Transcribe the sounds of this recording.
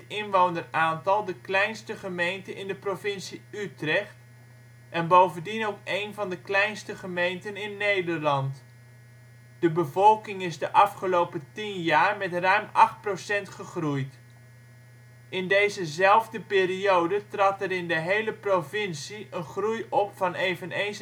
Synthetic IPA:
tɪnʋownəraːntɑlˠdəklɛjnstəχəmejntənɪndəprovɪnsiytrɛχt | ʔɛnbowvəndinowkejnvɑndəklɛjnstəχəmejntənɪnːejdəɹlɑnt | d̥əbəvɔlˠkɪŋɪzdəʔɑfχəlowpətinjaːɹmɛtrœɥmɑχt̚prosɛntχəχrujt | ʔɪndejzəzɛlˠvdəpɪːriowdətrɑtɛɾɪndəɦejləprovɪnsiənχrujɔpfɑnejvənejns

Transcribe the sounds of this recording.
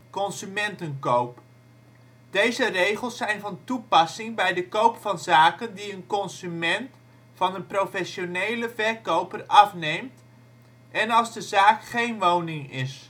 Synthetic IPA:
kɔnzymɛntənkowp | d̥ejzərejχəlˠsːɛjnvɑntupɑsɪŋbɛjdəkowpfɑnzaːkəndiənkɔnsymɛnt | fɑnənprowfɛʃonejləvɛrkowpərɑfnejmt | ʔɛnɑlˠzdəzaːkχejnʋownɪŋɪ̰s

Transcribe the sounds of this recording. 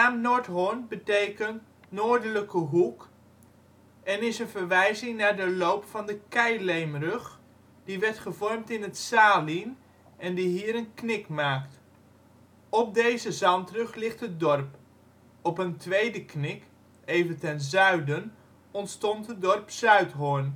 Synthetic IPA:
aːmnoɹtɦonbətejkənt | noːɹdələkəɦuk | ɛnɪsənvəɹʋɛjzɪŋnaːɹdəlowpfɑndəkɛjlejmrɵχ | d̥iʋɛɹtχəvɔɹmtɪnətsaːlin | ɛndiɦiːɾənknɪkmaːkt | ɔp̚dejzəzɑntrɵχlɪχtət̚dɔɹp | ɔpəntʋejdəknɪk | ejvəntɛnzœɥdən | ɔntstɔntɦədɔɹpsœɥtɦʊɹn

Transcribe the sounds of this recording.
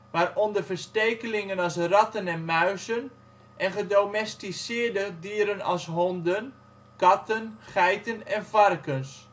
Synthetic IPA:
maːrɔndərvəɹsteːkəlɪŋənɑsrɑtənɛnmœɥsən | ʔɛnχədomɛstisɪːəɹdədiːɾənɑ̰sɦɔndən | kɑtənχɛjtənɛnfarkəns

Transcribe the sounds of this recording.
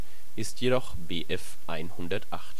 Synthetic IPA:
ʔɪstʰjedɔχbeːʔɛf | ʔaɪnhʊndɐtʔaχt

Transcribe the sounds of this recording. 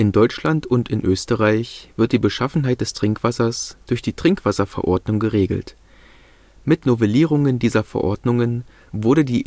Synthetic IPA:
ʔɪndɔʏt͡ʃlantʊntɪnʔøːstəʁaɪçv̥ɪɐt̚d̥iːbəʃafn̩ɦaɪt̚d̥ɛstʁ̥ɪŋkv̥asɐsd̥ʊɐçd̥iːtʁ̥ɪŋkv̥asɐfɛɐʔɔɐdnʊŋɡəʁeːɡl̩t | mɪtnovɛliːʁ̞ʊŋəndiːzɐfɛ̰ɐʔɔɐdnʊŋən | vʊɐɾədiː

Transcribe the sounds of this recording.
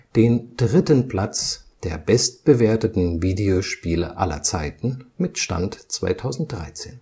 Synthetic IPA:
d̥eːnd̥ʁɪtənpl̥at͡sd̥eːɐbɛst̚b̥əveːɐtətn̩viːdeoʃpiːlə̰ʔa̰lɐ̰t͡saɪtn̩mɪtʃta̰ntt͡sv̥a̰ɪtʰaʊzn̩t̚d̥ʁa̰ɪt͡sḛːn

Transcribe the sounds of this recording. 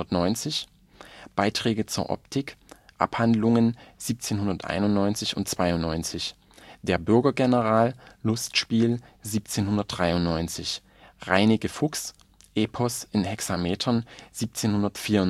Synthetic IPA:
ɐtnɔʏnt͡sɪç | b̥aɪtʁ̥ɛːɡət͡suːɐʔɔ̰ptʰɪkʔa̰phandlʊŋənz̥iːp̚t͡seːnhʊndɐtʔa̰ɪnʊnnɔʏnt͡sɪçʊ̰ntt͡sv̥aɪʊnnɔʏnt͡sɪç | d̥eːɐbʏɐɡɐɡɛnəʁaːlːʊstʃpiːlziːp̚t͡seːnhʊndɐt̚d̥ʁaɪʊnnɔʏnt͡sɪç | ʁaɪnɪkəfʊks | ʔeːpʰɔsʔɪnhɛksameːtʰɐnz̥iːp̚t͡seːnhʊndɐtfiːɐʊ

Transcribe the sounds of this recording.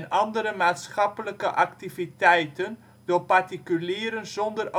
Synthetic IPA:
nʔɑndəɾəmaːtsχɑpələkəʔɑktivitɛjtən | d̥oːpɑrtikyliːɾənzɔndərʔo

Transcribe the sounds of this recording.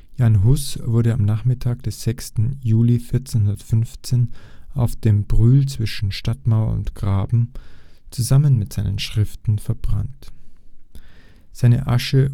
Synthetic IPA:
janɦʊsv̥ʊɐɾəamnaːχmɪtʰaːk̚d̥ɛsz̥ɛkstn̩juːlifɪɐt͡seːnɦʊndɐtfʏnft͡seːnʔaʊfd̥eːmbʁyːlt͡sv̥ɪʃn̩ʃtatmaʊɐ̰ʊ̰ntɡ̥ʁaːbm̩t͡suzamənmɪtz̥aɪnənʃʁ̥ɪftn̩fɛɐbʁa̰nt | z̥aɪnə̰ʔaʃə

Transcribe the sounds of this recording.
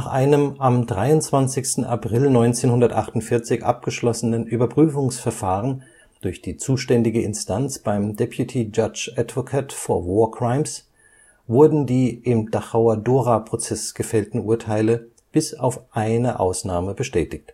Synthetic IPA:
naːχʔa̰ɪnəmamdʁaɪʊntt͡sv̥ant͡sɪçstn̩ʔa̰pʁ̥ɪlnɔʏnt͡seːnhʊndɐtʔaχtʊntfɪɐt͡sɪçʔa̰p̚ɡ̥əʃlɔsənənʔyːbɐpʁ̥yːfʊŋsfɛɐfaːʁ̞ən | d̥ʊɐçd̥iːt͡suːʃtɛndɪɡəɪnstʰant͡sb̥aɪmdɛpʰjutʰid͡ʒat͡ʃatv̥okʰaːtfoːɐvɔːɐkʁ̥aɪms | vʊɐdn̩diːʔɪmdaχaʊadoːʁapʁ̥ot͡sɛsɡ̥əfɛltn̩ʔuːɐtʰaɪlə | b̥ɪsaʊfʔaɪnəʔa̰ʊsnaːməbəʃtɛːtɪçt

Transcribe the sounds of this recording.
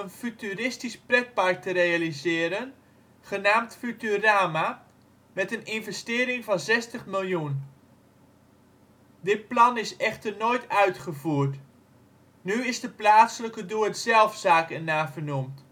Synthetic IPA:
ənfytyrɪstisprɛt̚paɹk̚təɾejalizɪːɾən | χənaːmtfytyraːma | mɛtənɪnvɛstɪːɾɪŋvɑnzɛstəχmɪlˠjun | dɪt̚plɑnɪsɛχtərnoːjtœɥtχəvuərt | nyɪsdəplaːsələkəduətzɛlˠfsaːkɛnaːvərnumt

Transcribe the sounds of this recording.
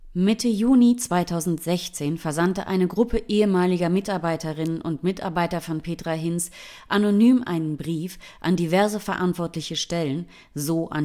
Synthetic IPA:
mɪtʰəjuːnit͡sv̥aɪtʰaʊzn̩tz̥ɛçt͡seːnfɛɐzantə̰ʔa̰ɪnəɡʁʊpʰəʔeːəmaːlɪɡɐmɪtaɐbaɪtəʁɪnənʔʊntmɪta̰ɐbaɪtɐfɔnpʰeːtʁ̥aɦɪns | ʔanonyːmʔa̰ɪnənbʁiːf | ʔandivɛɐzəfɛɐʔantv̥ɔɐtlɪçəʃtɛlən | zoːʔa̰n

